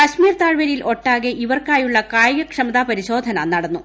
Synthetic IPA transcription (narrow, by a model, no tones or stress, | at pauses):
kɐɕmiːrt̪aːɻʋɐɾilʔo̞ʈːaːɣeʔiʋɐrkaːjuɭːɐkaːjɐɡɐkʂɐmɐd̪aːpɐɾiɕo̞ːd̪ʱɐnɐ̰nɐɽɐnːu